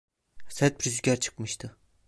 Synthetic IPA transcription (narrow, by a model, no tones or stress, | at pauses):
sɛt̪̚bɾyzykʲæɾt͡ʃʰɯ̥kmɯʃt̪ʰɯ